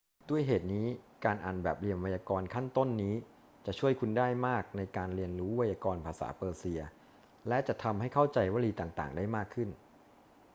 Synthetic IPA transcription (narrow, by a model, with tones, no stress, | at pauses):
du˥˩əjɦeː˨˩t̪̚niː˦˥kaː˧nʔaː˨˩nbɛː˨˩p̚li˧ənwa˧jaː˧kɔː˧nkʰa˥˩nt̪o˥˩nːiː˦˥ | t͡ɕa˨˩ʔt͡ɕʰu˥˩əjkʰu˧ndaː˥˩jmaː˥˩k̚na˧jkaː˧nɾi˧ənɾuː˦˥wa˧jaː˧kɔː˧npʰaː˧sa̰ː˩˦pɤː˧si˧ɐ | lɛ˦˥t͡ɕa˨˩t̪ʰa˧mha˥˩jkʰa˥˩wt͡ɕa˧jwaː˦˥˩liː˧t̪aː˨˩ŋt̪a̰ː˨˩ŋdaː˥˩jmaː˥˩kʰːɯ˥˩n